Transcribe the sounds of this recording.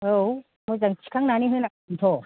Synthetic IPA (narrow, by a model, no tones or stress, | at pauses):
ow | mɔzaŋt͡ʃʰi̥kʰaŋnaniɦɯjna | nt̪ʰɔ